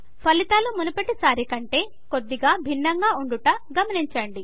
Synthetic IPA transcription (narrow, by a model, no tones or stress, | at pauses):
pʰɐlit̪aːlumunɐpɐʈːisaːɾikɐɳʈe̞ː | kod̪ːiɡaːbʱinːɐŋɡaːuɳɖuʈɐɡɐmɐniɲt͡ʃɐɳɖi